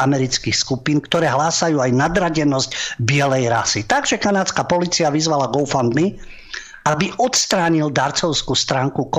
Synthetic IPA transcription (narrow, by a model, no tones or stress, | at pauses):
amɛɾit͡skixskupinkt̪ɔɾɛːɦlaːsajuːajnad̪ɾaɟɛnɔzcbɪɛlɛjɾa̰sit̪aɡʒɛkanaːt͡skapɔliːt͡siaʋizʋalaɡɔʊfand̪mi | ʔabiʔɔt̪st̪ɾaːɲild̪aɾt͡sɔʊskust̪ɾaːŋkuk